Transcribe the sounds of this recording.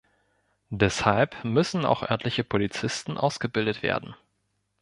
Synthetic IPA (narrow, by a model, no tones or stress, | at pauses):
dɛshalpmʏsn̩a̰ʊxʔœɐtʰlɪçəpʰolit͡sɪstn̩ʔa̰ʊsɡ̥əbɪldətv̥ḛːɐdn̩